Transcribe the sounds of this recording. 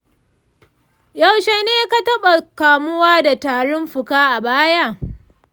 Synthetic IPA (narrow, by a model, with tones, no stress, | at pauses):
ja˨wʃe˨neː˦ka˦tɐ˦ɓa˨kaː˨mʊ˦waː˦da˨taː˨ɽʊ˦mɸʊ˨kaː˦ʔa˨baː˦ja˦˨